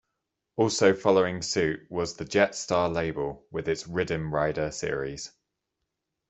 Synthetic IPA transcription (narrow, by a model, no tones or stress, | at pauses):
ɔˑlˠsəʊfɒləʊɪ̃ŋsʉˑʔwɒzðəd͡ʒɛtstɑːleɪbəlˠwɪðɪtsɹɪdə̃mɹaɪdəsɪəɹḭz̥